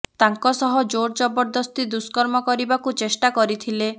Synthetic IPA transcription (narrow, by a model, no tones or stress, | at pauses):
t̪aŋkɔsɔɦɔd͡ʒoɽt͡ʃɔbɔɾd̪ɔst̪id̪uskɔɾmɔkɔɾibakut͡ʃesʈakɔɾit̪ʰile